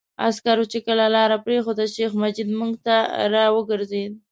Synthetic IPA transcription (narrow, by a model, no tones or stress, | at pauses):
a̰skaɾot͡ʃekəlalɑɾapɾexod̪aʃexmad͡ʒid̪muŋɡt̪aɾɑwəɡəɾzed̪